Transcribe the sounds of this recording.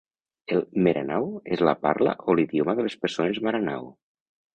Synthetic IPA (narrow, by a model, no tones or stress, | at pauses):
elˠmeɾʔanawezlapaɾla̰ʔoliðjomaðəlespəɾsonezmaɾana̰w